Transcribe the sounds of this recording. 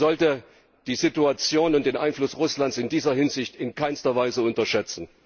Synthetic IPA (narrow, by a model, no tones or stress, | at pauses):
zɔltə | d̥iːzituat͡sjoːnʊnt̚d̥eːnʔaɪnflʊsʁʊslantsɪndiːzɐɦɪnzɪçtɪnkʰaɪnstɐvaɪzəʊntɐʃɛt͡sn̩